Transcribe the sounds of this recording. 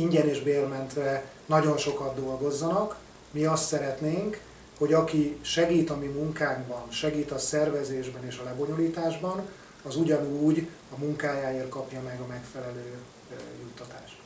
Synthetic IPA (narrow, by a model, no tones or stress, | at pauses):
iɲɟɛneːʒbeːrmɛnt̪ʋɛ | nɒɟo̞nʃo̞kɒd̪d̪o̞lɡozːɒnɒk | miɒst̪sɛɾɛt̪neːŋk | ho̞ɟɒkiʃɛɡiːt̪ɒmimuŋkaːŋɡbɒnʃɛɡiːt̪ɒsɛrvɛzeːʒbɛneːʃɒlɛbo̞ɲo̞liːt̪aːʒbɒn | ɒzuɟɒnuːɟ | ɒmuŋkaːjaːeːr̚kɒpjɒmɛɡɒmɛkfɛlɛløː | jut̪ːɒt̪a̰ːʃt̪